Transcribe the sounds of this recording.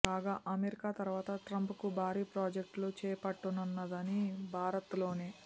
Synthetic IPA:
kaːɡaːʔɐmeɾikaːt̪ɐɾʋaːt̪ɐʈɾɐmpkubʱaːɾiːpɾaːd͡ʒek̚ʈlut͡ʃɛːpɐʈːunɐnːɐd̪ɐnibʱaːɾɐt̪lo̞ːne̞ː

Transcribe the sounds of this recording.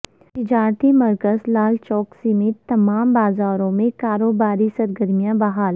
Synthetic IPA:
t̪ɪd͡ʒaːɾt̪ʰimɐɾkəzlaːlt͡ʃɔːksimẽt̪ɐmaːmbaːzaːɾõmẽkaːɾoːbaːɾisɐɾɡəɾmijãbɐɦaːl

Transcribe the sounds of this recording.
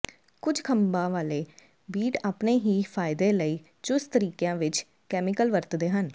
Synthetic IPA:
kʊd͡ʒkʰəmbãːʋaːleː | biːʈaːpneːɦiːpʰaːɪd̪eːləiː | t͡ʃʊst̪əɾiːkjãːʋɪt͡ʃ | kɛːmɪkəlʋəɾt̪d̪eːɦən

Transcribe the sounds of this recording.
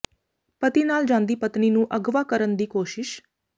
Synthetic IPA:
pət̪iːnaːld͡ʒãːnd̪iːpət̪niːnũːʔəɡʋaːkəɾənd̪iːkoːʃɪʃ

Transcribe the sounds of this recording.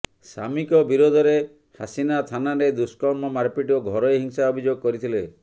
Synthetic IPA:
sa̰mikɔbiɾod̪ʱɔɾe | hasinat̪ʰanaɾed̪uskɔmɔmaɾpiʈɔɡʱɔɾɔeɦiŋsaɔbʱid͡ʒoɡkɔɾit̪ʰile

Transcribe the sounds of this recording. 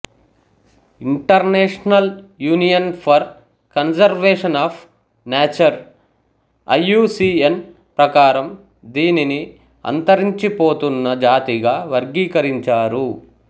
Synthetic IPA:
iɳʈɐɾneːʂnɐljuːnijɐnpʰɐɾ | kɐnsɐɾʋeːʂɐnaːpʰ | neːt͡ʃɐɾ | ɐ̰jːuːsiːen | pɾɐkaːɾɐm | d̪iːnini | ɐ̰nt̪ɐɾiɲt͡ʃipo̞ːt̪unːɐd͡ʒaːt̪iɡaːʋɐɾɡiːkɐɾiɲt͡ʃaːɾu

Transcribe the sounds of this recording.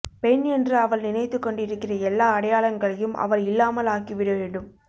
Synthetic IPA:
pɛɳɛndrɯɐʋɐlnɪnɐɪt̪ːɯkːɔɳɖɪɾɯkːɪrɐɛlːaːɐɽɐjaːlɐŋɡɐɭɐjɯmʔɐ̰ʋɐlɪlːaːmɐlaːkiʋɪɽɯʋeːɳɖɯm

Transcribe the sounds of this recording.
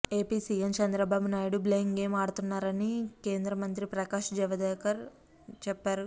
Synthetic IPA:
e̞ːpiːsiːemt͡ʃɐnd̪ɾɐbaːbunaːjɐɽubleːŋɡeːmaːɽut̪unːaːɾɐnike̞ːnd̪ɾɐmɐnt̪ɾipɾɐkaːʃd͡ʒɛʋɐd̪ɛːkɐɾ | t͡ʃɛpːaːɾu

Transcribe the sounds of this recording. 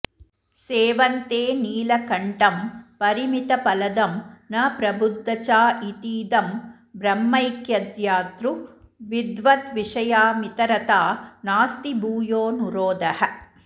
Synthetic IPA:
seːʋɐnt̪eːniːlɐkɐɳʈɐmpɐɾimit̪ɐpɐlɐd̪ɐmnɐpɾɐbʱud̪ʱːɐt͡ʃaːit̪iːd̪ɐm | bɾɐmːɐjkjɐd̪jaːt̪ɾuʋid̪ʋɐt̪ʋiʂɐjaːmit̪ɐɾɐt̪aːnaːst̪ibuːjoːnuɾoːd̪ɐɦɐ

